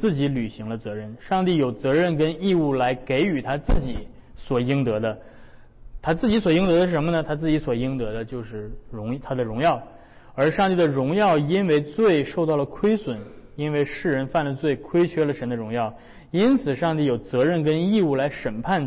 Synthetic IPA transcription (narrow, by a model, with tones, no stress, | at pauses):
t͡sɹ̩˥˩t͡ɕi˧˥ly˨˩ɕi˧˥ŋlə˧t͡sɤ˧˥ɻə˥˩nʂɑ˥˧ŋt̪i˥˩jo˨˩ʊt͡sɤ˧˥ɻə˥˩nkə˥ni˥˧u˥˩la˧˥ɪke˧˥ɪy˨˩t̪ʰa˥t͡sɹ̩˥˩t͡ɕi˨˩˦ | swɔ˨˩i˥ŋt̪ɤ˧˥d̪ə˧ | t̪ʰa˥t͡sɹ̩˥˩t͡ɕi˧˥swɔ˨˩i˥ŋt̪ɤ˧˥d̪ə˧ʂ̬ə˧˥mə˧nə˨˧t̪ʰa˥t͡sɹ̩˥˩t͡ɕi˧˥swɔ˨˩i˥ŋt̪ɤ˧˥d̪ə˧t͡ɕjo˥˧ʊʂɻ̩˥˩ɻʊ˧˥ŋt̪ʰa˥d̪ə˨ɻʊ˧˥ŋjɑ˥˩ʊ | ə˞˧˥ʂɑ˥˧ŋt̪i˥˩d̪ə˩ɻʊ˧˥ŋjɑ˥˩ʊi˥nwe˥˧ɪt͡swe˥˩˧ɪʂo˥˧ʊt̪ɑ˥˩ʊlə˩kʰwe˥ɪswə˧˥˦ni˥nwe˥˧ɪʂɻ̩˥˩ɻə˧˥nfa˥˩nlə˩t͡swe˥˩ɪkʰwe˥ɪt͡ɕʰɥɛ˥lə˨ʂə˧˥nd̪ə˧ɻʊ˧˥ŋjɑ˥˩ʊ | i˥nt͡sʰɹ̩˨˩ʂɑ˥˧ŋt̪̬i˥˩jo˨˩ʊt͡sɤ˧˥ɻə˥˩nkə˥ni˥˧u˥˩la˧˥ɪʂə˨˩npʰa˥˩n